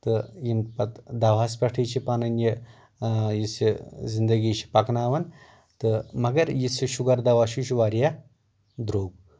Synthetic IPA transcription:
t̪ɨjinpɐt̪d̪ɐʋaːspʲɐʈʰit͡ʃʰipɐnɐnji | jisizind̪ɐɡiːt͡ʃʰi̥pɐknaːʋɐn | t̪ɨmɐɡɐɾjisiʃuɡɐɾd̪ɐʋaʃuʃuʋaːɾja | d̪ɾoːɡ̚

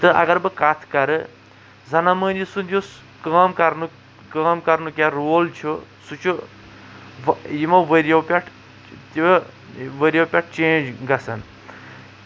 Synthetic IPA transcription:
t̪ɨʔɐ̰ɡɐɾbɐkat̪ʰkɐɾɨ | zɐnaməːnisund̪ʲjos | kaːmkɐɾnu | kaːmkɐɾnukʲaɾoːlt͡ʃʰusut͡ʃʰu | ʋjimɐʋəɾijɐwpʲaʈʰ | t̪i | ʋəɾijɐwpʲaʈ̚ʰt͡ʃeːnd͡ʒɡɐsɐn

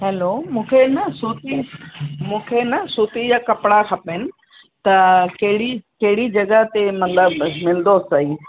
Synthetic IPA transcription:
ɦɛlomũːkʰenɐsuːt̪imũːkʰenɐsuːt̪ijakɐpɽakʰɐpenɪ̆ | t̪ɐkɐɦɪɽikɐɦɪɽid͡ʑɐɡəɦt̪emɐt̪ləbmɪld̪oːsɐiː

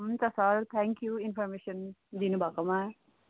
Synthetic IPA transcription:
mt̪asaɾt̪ʰɛ̃ːŋkjuinfɔɾmeːʃɐnd̪inubakɐma

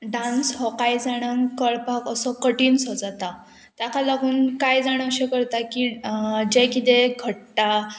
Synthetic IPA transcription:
ɖãnsɦɔkajd͡zaɽ̃əŋkəɭpakəsɔkəʈiːnsɔd͡zat̪a | t̪akalaɡuːnkajd͡zaɽ̃əɕẽkəɾt̪akid͡ʑekit̪eɡʱəʈːa

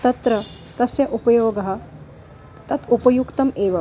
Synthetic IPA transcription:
t̪ɐt̪ɾɐ | t̪ɐsjɐʔupɐjoːɡɐɦɐ̆ | t̪ɐt̪upɐjukt̪ɐmeːʋɐ

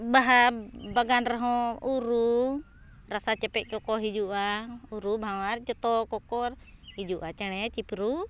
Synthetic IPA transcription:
baɦabaɡanɾɛɦɔ̃uɾu | ɾasat͡ʃɛpɛt̪̚ˀkɔkɔɦid͡ʒuʔauɾubʱawaɾt͡ʃɔt̪ɔkɔkɔɾ | hid͡ʒuʔat͡ʃɛɽ̃ɛt͡ʃipɾu

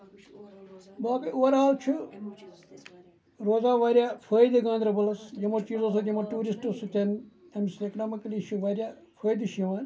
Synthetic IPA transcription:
baːkɐʔuɐɾaːlt͡ʃʰu | ɾoːzaːʋaːɾʲjapʰəːjd̪ɨɡãːnd̪ɾɐbɐlɐsjɐmɐɾt͡ʃiːzos̬ɐt̪jɐmɐʈuːɾisʈosut̪ʲɐn | emsekɐnaːmikliʃʰuʋɐɾʲja | pʰɐːjd̪ɨʃjɐʋanʲ

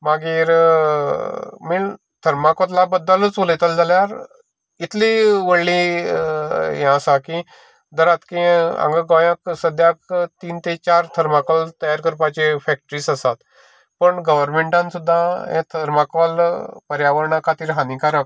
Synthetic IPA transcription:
maɡiːɾ | miɭ | t̪ʰəɾmakot̪labəd̪ːələt͡sʋoləjt̪əld͡zaljaɾ | it̪ʰliʋəɽli | jãəsaki | d̪əɾat̪kiã̰ŋɡəɡajãksəd̪jakt̪iːnt̪et͡ɕaɾt̪ʰəɾmakəlt̪əjaɾkəɾpat͡ɕefɛk̚ʈəɾiːsəsat̪ | pəɳɡəʋəɾmeɳʈãnsud̪ʱːaḛ̃t̪ʰəɾmakəlpəɾjaʋəɾɳakʰat̪iːɾɦãnĩkaɾək̚

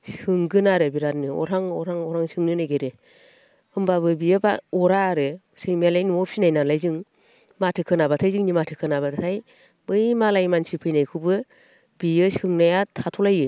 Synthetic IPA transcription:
sɯŋɡɯnaɾɯbiɾat̚nɯɔ̰ɾaŋɔ̰ɾaŋɔɾaŋsɯŋnɯnajɡeɾɯ | ɯmbabɯbijɯba̰ɔɾaːɾɯ | sɯŋmjalajnuɔp̚sinajnalajzɯŋ | matʰɯkʰɯnabatʰajzɯŋnimatʰɯkʰɯnabadatʰaj | bɯjmalajmansipʰɯjnajkʰɯbɯ | bijɯsɯŋnajatʰatʰɔlajɯ

